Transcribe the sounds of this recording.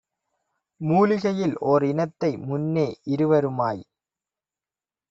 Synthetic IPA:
muːlɪɣɐjɪlʔoːɾɪnɐt̪ːɐɪmʊnːeːʔɪɾɯʋɐɾɯmaːj

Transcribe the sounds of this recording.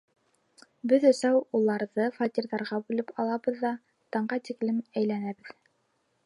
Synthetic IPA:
bɘðɵ̆sæwulˠɑɾðɤfat̪ʲiɾðɑɾʁɑbʉlɘpʰɑlˠɑbɤðːɑ | t̪ɑɴɢɑt̪iklɘmæjlænæbɘð

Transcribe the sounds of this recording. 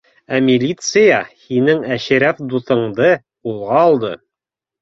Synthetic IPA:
æmʲɪlʲit̪sɨjɑhinɘŋæɕɘ̆ɾæfd̪uθɤ̆ɴd̪ɤ | ulˠʁɑːlˠd̪ɤ

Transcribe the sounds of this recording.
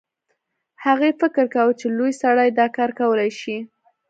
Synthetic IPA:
haɣefɪkəɾkawət͡ʃelojsaɽajd̪ɑkɑɾkawəlajʃi

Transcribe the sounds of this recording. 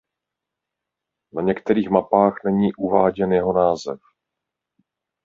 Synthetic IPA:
naɲɛkt̪ɛɾiːxmapaːxnɛɲiːʔuvaːɟɛnjɛɦo̞naːzɛf

